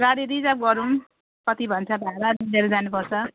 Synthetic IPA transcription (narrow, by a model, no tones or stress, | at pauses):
ɡaɽiɾid͡zap̚ɡʌɾũ | kʌt̪ibʱʌnt͡sʰʌbʱaɾad̪ideɾed͡zanupʌrt͡sʰʌ